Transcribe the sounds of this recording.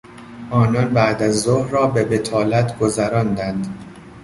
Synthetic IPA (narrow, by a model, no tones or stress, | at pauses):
ʔɒːnɒnbæʔd̪æzːohrɒːbe̞bet̪ʰɒːlæt̪ʰɡ̥ozæɾɒnd̪ænd̪